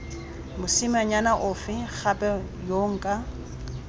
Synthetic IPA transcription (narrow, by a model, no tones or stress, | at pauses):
mʊsɪmaɲanaʔʊfɪχapʼɛjoŋ̩kʼa